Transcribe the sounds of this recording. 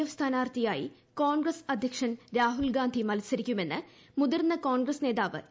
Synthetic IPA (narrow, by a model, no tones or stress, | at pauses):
ɐʋst̪ʰaːnaːrt̪ijaːjḭ | koːɳɡrɐsɐd̪ʱjɐkʂɐnɾaːɦulɡaːnd̪ʱimɐlɐsɐɾikʲːume̞nːɨ | muðɐrnːɐkoːɳɡrɐsne̞ːðaːʋɨ̰